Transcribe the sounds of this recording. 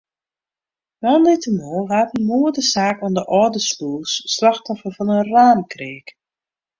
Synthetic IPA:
ʋandɪtəmoːlˠɦaːtənmuədəsaːkɔndəʔɔːdəsluəsːlaxtɔfərfɔnənraːmkreːk

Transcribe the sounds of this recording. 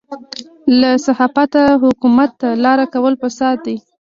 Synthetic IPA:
lasahɑfat̪aɦʊkumat̪ːalɑɾakawəlpəsɑt̪̚d̪i

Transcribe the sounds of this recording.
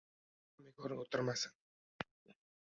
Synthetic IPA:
mikɔɾŋot̪ə̆rmasə̆ŋ

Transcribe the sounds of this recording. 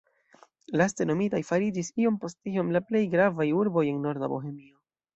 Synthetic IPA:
laste̞no̞mitajfaɾid͡ʒisio̞mpo̞stio̞mlaple̞jɡɾavajuɾbo̞je̞nno̞ɾda̰bo̞̰ɦe̞mio̞

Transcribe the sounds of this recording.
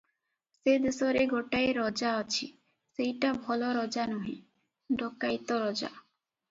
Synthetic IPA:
sed̪esɔɾeɡoʈaeɾɔd͡ʒaɔt͡ʃʰḭ | sejʈabʱɔlɔɾɔd͡ʒanɔɦĩ | ɖʱɔkajt̪ɔɾɔd͡ʒa̰

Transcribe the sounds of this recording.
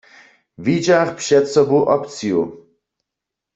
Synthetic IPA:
vid͡ʒaχpʰʂɛt̪sɔbuʔɔpt̪t͡sʰijṵ

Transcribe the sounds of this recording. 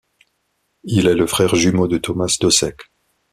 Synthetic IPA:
ilɛləfχɛʁʒymod̪ət̪ɔmasd̪ɔsɛk

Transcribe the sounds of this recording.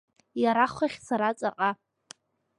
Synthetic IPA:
jaɾaχʷaχʲsʰaɾat͡sʼaqʼa

